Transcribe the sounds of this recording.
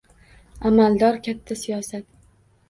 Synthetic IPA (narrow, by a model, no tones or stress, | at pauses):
amald̪ɒɾkʲʰat̪ʰːasijɒsat̪̚